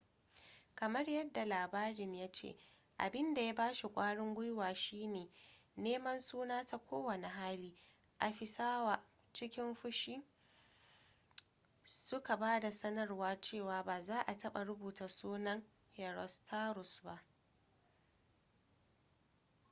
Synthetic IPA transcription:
kɐ˨mɐ˦rjɐ˦dːa˨laː˨baː˦ɾɪ˨ɲjaː˦t͡ʃḛ˦˨ | ʔa̰˨bɪ˦nda˨ja˦baː˦ʃi˨kʷʼaː˦ɽɪ˦ŋɡʷʊ˦jwaː˨ʃiː˦neː˨neː˦mɐ˦nsuː˦naː˦ta˦kʷoː˦wɐ˨ne˨ɦaː˦liː˦ | ʔa˨ɸɪ˨saː˦waː˨ | t͡ʃɪ˦kʲɪ˦mɸʊ˦ʃiː˦ | sʊ˦ka˨baː˦da˨sɐ˦nɐ˦rwaː˦t͡ʃeː˦˨waː˨baː˨zaː˦ʔa˨tɐ˦ɓa˨ɽʊ˦buː˨ta˨suː˦nɐ˦ŋ | hɛ˨ɾɔ˨stʰaː˦ɾʊ˨sba˦ʔ

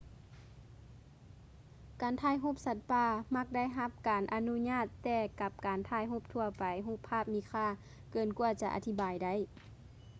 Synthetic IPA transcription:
kaː˨˩nt̪ʰaː˧˩˨jɦu˧˥˨p̚sa˧˥t̪̚paː˧˩ma˧˥k̚da˥˨jɦa˧˥p̚kaː˨nʔa˧nu˧˥ɲaː˧˥˨t̪ːɛː˧˩ka˧p̚kaː˨˩nt̪ʰaː˧˩˨jɦo˧˥˩p̚t̪ʰu˧ɐpa˨˩jɦuː˧˩pʰːaː˥˩p̚miː˧˥kʰaː˧˥˨ | kɤː˨˩nku˧ɐt͡ɕa˧ʔa̰˨˧˩t̪ʰi˧˩baː˨jda˧˩j

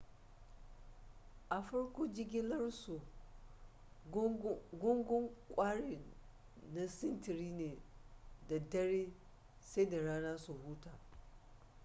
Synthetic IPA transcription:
ʔa˨ɸɐ˦ɽkʷoː˦d͡ʒɪ˦ɡʲɪ˦lɐ˦rsu˨ | ɡʊ˦ŋɡʷʊ˦ŋkʷʼaː˦ɽeː˨ | na˦sɪ˦ntɪ˨ɾiː˦neː˨da˨dɐ˦ɽeː˦ | sa˦jda˨ɽaː˦naː˦su˨huː˦taː˨

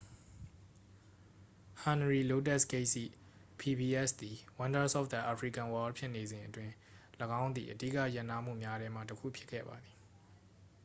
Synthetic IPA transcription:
hã˨nɹi˨lo˦tɛ˦˨ske˦ɪʔsḭ˦˨ | pʰi˨bi˨ʔɛ˦˨sd̪i˨wã˦nda˦sɔ̰˦f̚d̪a˨ʔa˨pʰɹi˦˨kã˨wɔ˦lpʰjɪ˦ʔne˨zɪ̃˨ʔətwɪ̃˦ | ləɡã˦ʊ̃nd̪ḭ˨ʔədḭ˦˨kä̰˦˨jã˦˨na˦m̥ṵ˦˨mja˦ɾɛ˦m̥ä̰˦˨təkʰṵ˦˨pʰjɪ˦kʰːɛ̰˦˨ba˨d̪i˨

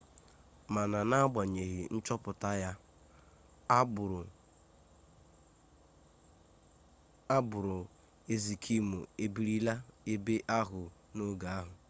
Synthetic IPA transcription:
ma˨na˨na˦a˦ɡ͡ba˨ɲe˨ɣɪ˨n̩˦t͡ʃɔ˦pʊ˨ta˦ja˦˨ | a˦bʊ˨ɾʊ˨ | e˦zi˨kʰi˦mu˨e˦bi˦ɾi˦la˦e˦be˦ʔa˦ɦʊ˨ | no˦ɡa˨a˦ɦʊ˨

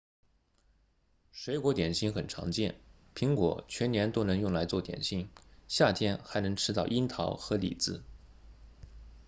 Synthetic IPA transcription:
ʂwe˧˥ɪkwɔ˧˥t̪jɛ˨˩nɕi˥ŋxə˨˩nʈ͡ʂʰɑ̰˧˥ŋt͡ɕjɛ˥˩n | pʰi˧˥ŋkwɔ̰˨˩˦t͡ɕʰɥɛ˧˥njɛ˧˥nt̪o˥ʊnɤ˧˥ŋjʊ˥˩ŋla˧˥ɪt͡swɔ˥˩t̪jɛ̰˨˩nɕi˥ŋɕja˥˩t̪ʰjɛ˥nxa˧˥ɪnɤ˧˥ŋʈ͡ʂʰɻ̩˥t̪ɑ˥˩ʊʔi˥nt̪ʰɑ˧˥ʊxɤ˧˥lḭ˨˩t͡sɹ̩˥˩

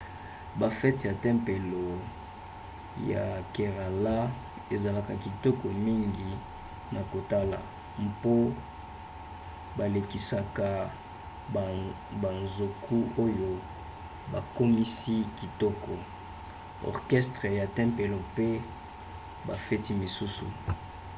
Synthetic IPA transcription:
ba˨fɛ˦tja˨tɛ˦mpe˨lo˨ | ja̰˨ke˨ʁa˨la˦ | e˨za˨la˨ka˨ki˨tɔ˦kɔ˨mi˦ŋɡi˨ | na˨ko˨ta˦la̰˨ | mpo˦ | ba˨le˨ki˨sa˨ka˨ | ba˨nzo˨kʰu˦o˦jo˨ | ba˨ko˦mi˦si˦ki˨tɔ˦kɔ˨ | ɔ̰˨ʁkɛ˦stʁe˨ja˨tɛ˦mpe˨lo˨pe˦ | ba˨fe˦ti˦mi˨su˦sṵ˨

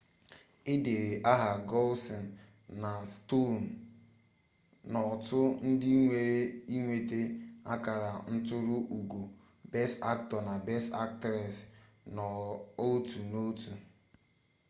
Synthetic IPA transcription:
ɪ˦de˨ɾe˨ʔa˦ɦa˨ɡɔ˦lsɔ˨n̩˨ | na˨sto˦˨n̩˨ | nɔ˨tʊ˦n̩˦dɪ˦ŋʷe˨ɾe˦i˦ŋʷe˨te˦a˦ka˨ɾa˨n̩˦tʊ˦ɾʊ˦ʔu˨ɡu˨ | bɛ˦sta˦k̚tɔ˨na˨bɛ˦sta̰˦k̚tɾɛ˨s | nɔ˨o˦tu˨no˦tu˨

